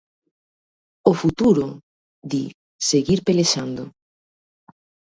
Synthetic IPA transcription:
ofut̪uɾo | d̪i | seɣiɾpeleʃand̪ʊ

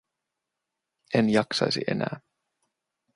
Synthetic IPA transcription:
ʔenjɑksɑjsiʔe̞̰næ̰ː

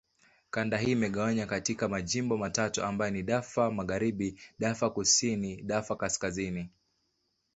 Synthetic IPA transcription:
kandaɦiːmɛɠawaɲakatikamaʄimbɔmatatuambajɔniɗafamaɣaɾiɓiɗafakusiniɗafakaskazini

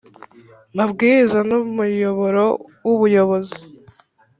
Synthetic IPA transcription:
mabɡiːɾizanumujoβo̞ɾowuβujo̞βo̞zi̥

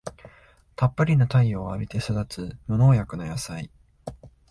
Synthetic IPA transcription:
t̪apːɯɾʲinot̪aioːabʲit̪e̞sod̪at͡sɨmono̞ːjakɯ̟nojasai

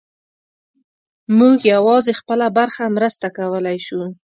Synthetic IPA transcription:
muɡjawɑzexpəlabaɾxamɾəst̪akawəlajʃu

